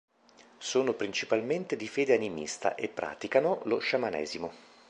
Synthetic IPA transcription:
soːnopɾint͡ʃipalment̪ed̪ifeːd̪eanimḭst̪a̰ʔepːɾʔa̰ːt̪ikanoloʃamanɛ̰ːzimo

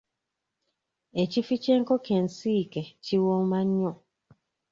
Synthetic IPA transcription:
et͡ʃifit͡ʃɛŋ̩kɔkɛn̩sikɛt͡ʃiwɔŋmaɲːɔ

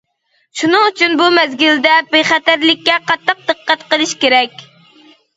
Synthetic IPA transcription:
ʃunɨŋyt͡ʃʰynbumɛzɡʲild̪ɛpeχæt̪æɾlɪkʲːɛqʰɑt̪ːɑq̚d̪̥ɨqːɛt̪qəlˠɨʃkʲeɾɛkʲ

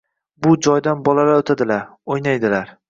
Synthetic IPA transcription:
bʊd͡ʒɒjd̪anbɒlalaot̪ʰad̪ɪlaɾojnajd̪ɪlaɾ

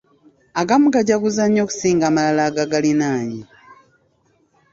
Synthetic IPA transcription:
aɡamukaɟakuzaɲːo̞ːku̥siːŋɡaːmalalaːɡaɡalinaːɲi

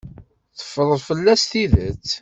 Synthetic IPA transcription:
θə̥fːəɾˤəðˤfəlːæst̪iðət͡sː

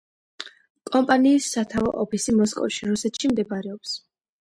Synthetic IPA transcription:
kʼɔmpʼaniːsːat̪ʰavɔ̰ʔɔpʰisimɔskʼɔ̰fʃiɾusɛt̪ʃimd̪ɛbaɾɛɔps

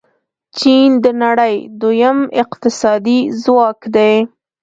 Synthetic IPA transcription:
t͡ʃind̪ənaɽəjd̪ojəmɪqt̪ɪsɑd̪izwɑkd̪e

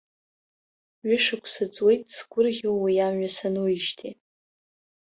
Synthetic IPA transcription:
ɥʏʂɨkʷʰsɨt͡sʼwe̞jtʼsɡʷʊrʁʲewwijamɥasanujɪʃtʰi

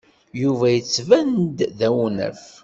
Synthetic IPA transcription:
juvæjət͡sːvænd̪ðæwnə̰f

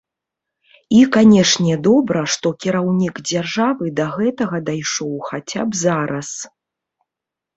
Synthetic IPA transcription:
ikanʲɛʂnʲɛd̪ɔbɾɐʂt̪ɔkʲiɾawnʲikd͡zʲarʐavɨd̪ɐɣɛt̪ɐɣɐd̪ajʂɔwxat͡sʲa̰bzaɾɐs

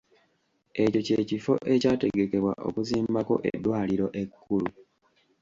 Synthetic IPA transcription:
e̞co̞ce̞ːcifo̞̰ʔe̞caːte̞ɡe̞ke̞βwa̰ʔo̞̰kuziːmbako̞̰ʔḛdːwaːliɾo̞ʔe̞kʰːulu

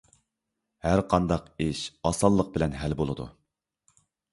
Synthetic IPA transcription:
hæɾqʰɑnd̪ɑqeʃɑsɑlˠːəq̚bɪlɛnɦælbolˠɨd̪ṵ

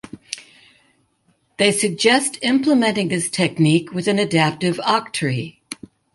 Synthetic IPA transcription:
ðeɪsɨɡ̚d͡ʒɛstɪ̃mpləmɛ̃ñtɪ̃ŋðɪstʰɛk̚nikʰwɨðɨ̃nɨdæp̚tɨvɑk̚tʰɹi

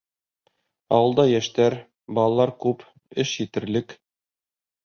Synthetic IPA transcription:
ɒ̰wɤ̆lˠd̪ɑjæʃt̪æɾ | bɑlˠɑlˠɑɾkʉp | ɘʃjit̪ɘ̆ɾlɘk

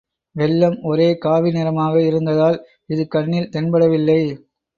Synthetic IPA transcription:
ʋɛlːɐmɔɾeːkaːʋɪnɪɾɐmaːɣɐɪɾɯnd̪ɐðaːl | ɪðɯkɐɳːɪlt̪ɛnbɐɽɐʋɪlːɐɪ

